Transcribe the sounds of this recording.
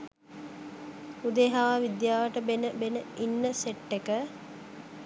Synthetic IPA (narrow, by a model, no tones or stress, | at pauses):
ud̪eɦaːʋid̪jaːʋəʈəbenəbenəinːəseʈːekə